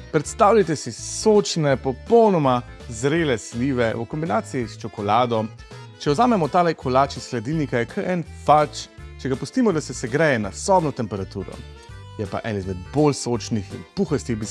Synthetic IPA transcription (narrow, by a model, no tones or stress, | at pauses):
pɾɛt̪st̪aːwlʎat̪ɛsisoːt͡ʃnɛpɔpɔwnɔma | zɾeːlɛsliːʋɛukɔmbinaːt̪sijist͡ʃɔkɔlaːd̪ɔ | t͡ʃɛwzaːmɛmɔt̪aːlɛkʰɔlaːt͡ʃisklɛd̪ilnikajɛkʰəɾɛnfalt͡ʃt͡ʃɛɡapust̪iːmɔd̪asɛsɛɡɾɛːjɛnasɔbnɔt̪ɛmpɛɾat̪uːɾɔ̰ | jɛpa̰ʔɛ̰nizmɛd̪bolsoːt͡ʃnixḭnpuxɛst̪ixbi